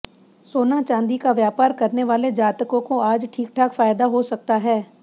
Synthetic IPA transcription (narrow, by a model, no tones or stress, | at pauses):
soːnat͡ʃãːnd̪ikaʋjaːpaːɾkɐɾneʋaːled͡ʒaːt̪əkõkoaːd͡ʒʈʰiːk̚ʈʰaːkfaːjd̪aɦosɐk̚t̪aɦɛː